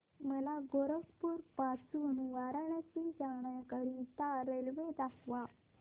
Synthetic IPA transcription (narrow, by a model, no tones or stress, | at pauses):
məlaɡoɾəkpuːɾpat͡sunuʋaɾəɳat͡ɕid͡zaɳ̃ajakəɽĩt̪aɾelʋed̪akʰʋa